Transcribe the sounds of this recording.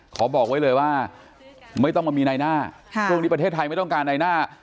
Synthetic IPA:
kʰɔː˩˦˥bɔː˨˩k̚wa˦˥jlɤː˧jwaː˥˩ | ma˥˩jt̪ɔ˥˩ŋma˧miː˧na˧jnaː˥˩kʰt͡ɕʰu˥˩ŋniː˦˥pa˧t̪ʰeː˥˩t̪ʰːa˧jma˥˩jt̪ɔ˥˨kaː˧nːa˧jnaː˥˩

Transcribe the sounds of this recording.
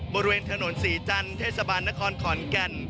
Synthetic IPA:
bɔː˧ɾi˧weː˧nt̪ʰa˧no˩˦nsiː˩˦t͡ɕa˧nt̪ʰeː˥˩sa˧baː˧nːa˦˥kʰɔː˧nkʰɔː˨˩˦nka˧n

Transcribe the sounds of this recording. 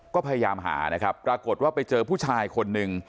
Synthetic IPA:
kɔː˥˩pʰa˧ja˧jaː˧mɦa̰ː˩˦na˦˥kʰɾa˦˥pːɾaː˧ko˨˩t̪̚waː˥˩pa˧jt͡ɕɤː˧pʰuː˥˩t͡ɕʰaː˧jkʰo˧nːɯ˨ŋ

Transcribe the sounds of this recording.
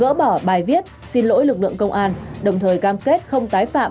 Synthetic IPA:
ə̰ː˧˥ɓɔ˧˩ɓaː˨˩jvi˦˥ət̚si˧nlo̰˧˥jlɨ˨˩k̚lɨ̰˧˨əŋkə˧wŋ͡mʔaː˧nɗə˨˩wŋ͡mt̪ʰəː˨˩jkaː˧mke˦˥t̚xə˧wŋ͡mt̪aː˨˦jfa̰ː˧˨

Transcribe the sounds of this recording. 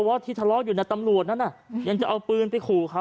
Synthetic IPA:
ɔ˧wa˦˥t̪ʰiː˧t̪ʰa˧lɔː˦˥juː˨˩na˧˥jt̪a˧mɾu˨˩ət̪̚na˦˥nːa˧˩ja˧ŋt͡ɕa˨˩ʔa˧wpɯː˧npa˧jkʰuː˨˩kʰa˦˥

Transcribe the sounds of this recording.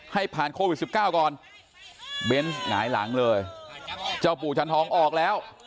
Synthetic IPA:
ha˥˩jpʰaː˨˩nkʰoː˧wi˨˩t̪̚si˨˩p̚kaː˥˩wkɔː˨˩n | be˦˥nŋa̰ː˩˦jla̰˩˦ŋlɤː˧j | t͡ɕa˧˩wp̬uː˨˩t͡ɕʰa˦˥nt̪ʰɔː˩˦˥ŋʔɔː˨˩k̚lɛː˦˥w

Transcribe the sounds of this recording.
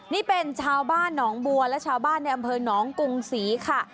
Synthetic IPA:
niː˥˩pe˧nt͡ɕʰaː˧wbaː˥˩nːɔː˩˦ŋbu˧ɐlɛ˦˥wt͡ɕʰaː˧wbaː˥˩nːa˧jʔa˧mpʰɤː˧nɔː˩˦ŋku˧ŋsiː˩˦kʰa˥˩

